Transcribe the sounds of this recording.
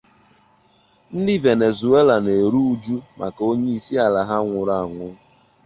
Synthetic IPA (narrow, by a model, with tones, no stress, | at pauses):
n̩˦dɪ˦ve˨ne˨zu˨e˦la˨ne˨ɾu˦u˦d͡ʒu˦mʔa̰˨ko˦ɲe˦i˨si˦a˨la˨ɦa˦ŋʷʊ˨ɾa˨a˨ŋʷʊ˦